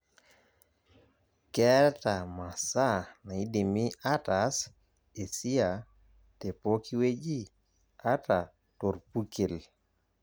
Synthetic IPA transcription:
kɛ˦ɾta˨ma˨sa˦na˨i˦de˨mi˦a˦ta˨s | e˨si˦a˨ | te˨po˦ki˦we˦d͡ʒi˦ | a˦ta˨ | to˨ɾpu˦ke˨l

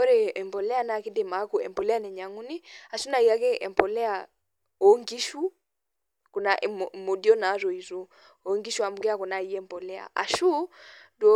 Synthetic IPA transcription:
ɔ˦ɾɛ˨ɛ˨mpɔ˨lɛ˦a˦˨naki˦dɛ˨ma˦kuɛ̰˨mpɔ˨lɛ˦a˦nɛ˨ɲa˨ŋu˦ni˦a˨ʃu˦na˨i˨a˦kɛ˦ʔɛ̰˨mpɔ˨lɛ˦a | ɔŋɡi˦ʃu˦ | ku˨naʔmɔ˨di˦ɔ˦na˨˦ɾɔ˨i˨zu˦ | ɔ˨ŋɡi˦ʃu˦a˨mu˨ɡɛ˦a˦kɔ˨na˨i˦ɛ˦mpɔ˨lɛ˦a̰˨ʔa̰˨ʃu˦dɔ˦

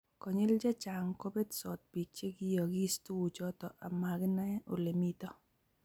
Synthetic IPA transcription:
kɔ˨ɲɪ˦ld͡ʒa˦t͡ʃa˨ŋko˦be˦dsɔ˨t̚bi˨t͡ʃe˦ɡɪ˦jɔ˨ɡɪ˦stu˦wu˨t͡ʃɔ˦tɔ˨ʔa˨ma˨ɡɪ˦na˦ʔo˨le˨mi˦tɔ˦

